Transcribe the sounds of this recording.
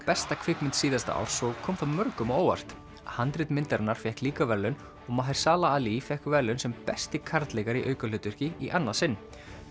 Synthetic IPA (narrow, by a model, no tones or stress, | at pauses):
pɛst̪akʰvɪkmɪnt̪siːðast̪a̰a̰wɾ̥sɔɣkʰɔːmθaɾmœɾkʏmoːwa̰r̥t̪ | hant̪ɾɪt̪mɪnt̪ɛɾnaɾ̥fjɛhkliːkavɛɾlʏn | ɔɣmaːɦɪjɾ̥saːlaaːlifɛhkvɛɾlʏnsɛmpɛst̪ɪkʰaɾt̪lɛɣaɾiʔœɥkalʏt̪ʏr̥cɪiʔanːasɪnː